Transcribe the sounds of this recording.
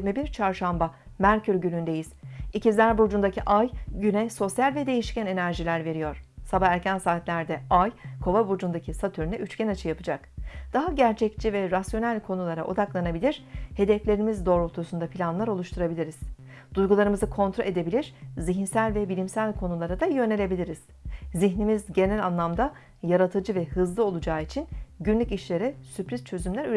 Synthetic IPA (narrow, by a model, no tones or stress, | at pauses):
ɾmibiɾt͡ʃʰaɾʃamba | mæɾcʰyɾɟylʲynd̪e̞jiz̥icizlʲæɾbud͡ʒund̪acʰiʔajɟynɛso̞sjalʲvɛd̪e̞jiʃcæne̞næɾʒilʲæɾve̞ɾijo̞ɾ̥sabaæɾcʰænsaːt̪lʲæɾd̪ɛajkʰo̞vabud͡ʒund̪acʰisat̪ʰyɾnɛʔyt͡ʃcænat͡ʃʰɯjapɯd͡ʒakd̪̥aɦaɟæɾt͡ʃʰɛct͡ʃʰivɛɾasjo̞nælʲkʰo̞nulˠaɾaʔo̞̰d̪aklˠanabilʲiɾ̥he̞d̪ɛflʲe̞ɾimizd̪o̞ːɾoɾt̪ʰusund̪apʰilʲanlˠaɾo̞lˠuʃt̪ʰuɾabilʲiɾiz̥ | d̪̥ujɡulˠaɾɯmɯzɯkʰo̞nt̪ɾo̞lʲe̞d̪e̞bilʲiɾ̥ziçinsælʲvɛbilʲimsælʲkʰo̞nulˠaɾad̪ajø̞ne̞lʲe̞bilʲiɾiz̥ | ziçnimizɟe̞nælʲanlˠamd̪a | jaɾat̪ʰɯd͡ʒɯvɛhɯzlˠɯo̞lˠud͡ʒaːit͡ʃʰinɟynlʲyciʃlʲe̞ɾɛsypɾizt͡ʃʰø̞zymlʲæɾyɾ